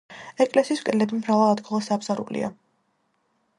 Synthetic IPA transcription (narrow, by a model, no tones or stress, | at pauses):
ɛkʼlɛsiːskʼɛlɛbimɾavalˠad̪ɡɔlˠasabz̥aɾṵlḭa̰